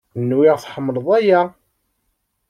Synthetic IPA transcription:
nːwɪʁθħəmːələðˤæjæ

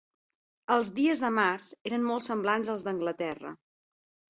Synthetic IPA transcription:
əlˠzðiəzðəmarzeɾəmmɔlˠtsəmblanzəlˠzðəŋɡlət̪ɛrə̰

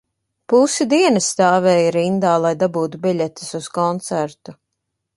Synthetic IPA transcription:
pusid̪iɛnɐsːt̪aːvɛːjɾind̪aːlˠajd̪abuːt̪ubiʎʲɛt̪i̥suskɔnt̪sæɾt̪u

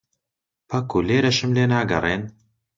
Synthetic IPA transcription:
pʰɐkʰuleːɾɐʃɨmleːnaːɡɐ̰rˤeːn

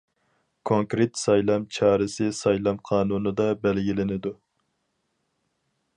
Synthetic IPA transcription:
kʰoŋkɾɪt̪sɑjlˠɑmt͡ʃʰɑːɾɨsɪsɑjlˠɑmqʰɑːnunɨd̪ɑbɛlɡʲilɪnɪd̪u

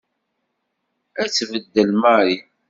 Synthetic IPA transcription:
æt͡sːvəd̪ːəlmaɾi

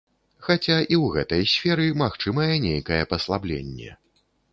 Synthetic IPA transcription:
xat͡sʲaʔiwɣɛt̪ɐjsʲfʲɛɾɨmaxt͡ʂɨmɐjɛnʲejkɐjɛpɐslˠablʲḛnʲːɛ̰

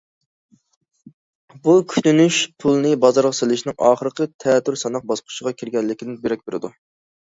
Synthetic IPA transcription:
bukʲʰy̥t̪ynyʃpʰulˠnɨbɑzɑɾʁɑselɪʃnɪŋɑ̰ːχəɾəqʰət̪ʰɛt̪ːyɾsɑnɑq̚bɑsqʰʊ̥ʃəʁɑkʲʰiɾɡʲɛlːɪkʲid̪ɪnbeɾɛk̚ʲbeɾɪ̰d̪u

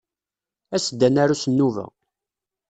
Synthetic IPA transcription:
æsəd̪ːænaɾusənːuvæ̰

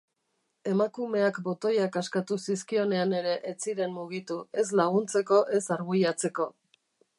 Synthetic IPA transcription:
e̞makume̞akbo̞t̪o̞jakaskat̪usis̬kio̞ne̞ane̞ɾe̞ʔet͡siɾe̞mmuɣ̞it̪ue̞s̬laɣ̞unt͡se̞ko̞ʔe̞saɾɣujat͡se̞ko̞

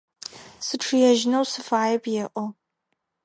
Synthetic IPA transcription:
sɨʈ͡ʂʰɨjɛʒnɐwsɨfaːjɐpʰjɛʔʷʼɔ

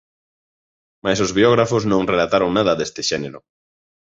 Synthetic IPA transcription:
majsozβiɔɣɾafʊsnõŋrelat̪aɾoŋnaðɐðest̪ɪʃɛneɾʊ

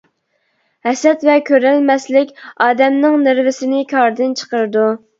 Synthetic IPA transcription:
hɛsɛt̪vɛkʲʰøɾɛlmɛslɪkʲɑːd̪ɛmnɨŋnɪɾvɪsɪnɪkʰʲɑɾd̪ɪnt͡ʃʰə̥qəɾɨd̪u

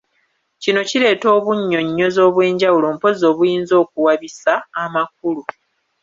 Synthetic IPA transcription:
cino̞cile̞ːto̞ːβuɲːo̞ɲːo̞zo̞ːβwe̞ːɲɟawulo̞ːmpo̞zo̞ːβujiːnzo̞ːk̚uwaβisaːmak̚ulu

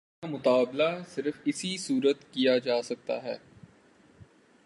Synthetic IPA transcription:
amʊt̪aːblasɪɾəfɪsisuːɾət̪kijad͡ʒaːsɐk̚t̪a̰ɦɛː

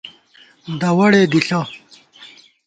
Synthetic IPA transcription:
d̪ɐwɐɽed̪iɬɐ

